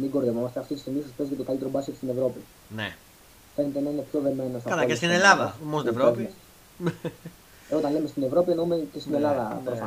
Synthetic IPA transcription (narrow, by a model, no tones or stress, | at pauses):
miɡo̞ɾðevomɐst̪eɐft̪it̪ist̪imisɐspezi̥kcet̪okalit̪eɾobɐskest̪ine̞vɾo̞pi | nḛ | fe̞net̪enɐine̞pço̞ðe̞me̞nost̪ɐkɐlaest̪inelɐðɐ̰mosevɾooes | ot̪ɐnle̞mest̪ine̞vɾo̞pienoumecest̪ine̞lɐðɐpɾofɐ